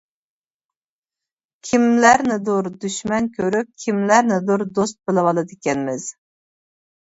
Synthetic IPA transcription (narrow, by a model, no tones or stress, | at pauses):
kʲʰimlæɾnɪd̪uɾd̪yʃmɛnkʲʰøɾyp̚kʲʰimlæɾnɪd̪uɾd̪ost̪̚bɪlɨwɑlˠɨd̪ɪkʲɛnmɪz̥